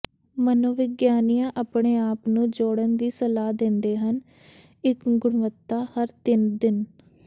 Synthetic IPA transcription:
mənoːʋɪɡjaːnijãːʔaːpɳeːaːpnũːd͡ʒoːɽənd̪iːsəlaːd̪ẽːnd̪eːɦən | ɪkɡʊɽʋət̪ːaːhəɾt̪ɪnd̪ɪn

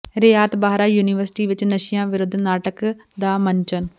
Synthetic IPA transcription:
ɾɪjaːt̪baːɦɾaːjuːnɪʋəɾsɪ̥ʈiːʋɪt͡ʃnəʃɪjãːʋɪɾʊd̪ʱnaːʈəkd̪aːməɲt͡ʃən

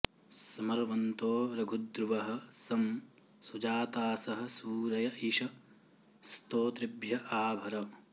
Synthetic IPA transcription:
sɐmɐɾʋɐnt̪oːɾɐɡʱud̪ɾuʋɐɦɐ̆sɐm | sud͡ʒaːt̪aːsɐɦɐ̆suːɾɐjɐiʃɐ | st̪oːt̪ɾɪbjɐʔaːbʱɐɾɐ

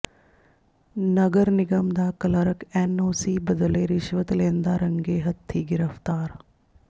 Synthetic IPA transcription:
nəɡəɾnɪɡəmd̪aːkɐləɾəkɛːnoːsiːbəd̪əleɾɪʃʋət̪lẽːnd̪aːɾə̃ŋɡeːɦɐt̪ʰːiːɡɪɾəft̪aːɾ

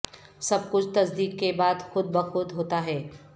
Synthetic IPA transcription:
sɐb̚kʊt͡ʃʰt̪ɐsd̪iːkːebaːd̪xʊd̪̚bɐxʊd̪ɦoːt̪aɦɛː

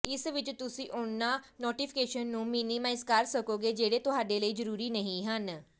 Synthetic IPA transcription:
ɪsʋɪt͡ʃt̪ʊsĩːʔoɳːanoːʈifʰi̥keʃənːũːminimaɪzkaɾsəkoɡed͡ʒeːɽet̪ʊɦaːɖeləiːd͡ʒəɾuːɾiːnəɦĩɦən

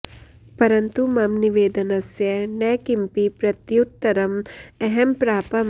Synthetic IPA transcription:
pɐɾɐnt̪umɐmniʋeːd̪ɐnɐsjɐnɐkimpipɾɐt̪jut̪ːɐɾɐmɛɦɛmpɾaːpɐm

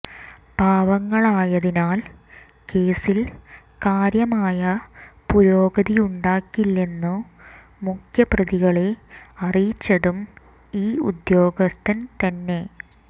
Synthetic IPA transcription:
b̥ʱaːʋɐŋːɐɭaːjɐðinaːl | ke̞ːsil | kaːɾjɐmaːjɐpuɾo̞ːɡɐðijuɳɖaːkːilːe̞nːu | mukʰjɐprɐðiɣɐɭeɐrijit͡ɕːɐɽum | iːṵd̪jo̞ːɡɐst̪ʰɐnt̪ɐnːe̞

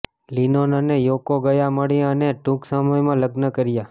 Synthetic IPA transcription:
linonanejokoɡəjaməɽjãəneʈũksaməjmãləɡnəkəɾja

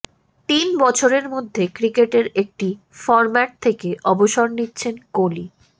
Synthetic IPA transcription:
t̪inbɔt͡ɕʰoɾeɾmod̪ʱːekɾikeʈeɾek̚ʈi | fɔɾmaʈ̚t̪ʰekeʔɔboʃoɾnitːɕʰenkoli

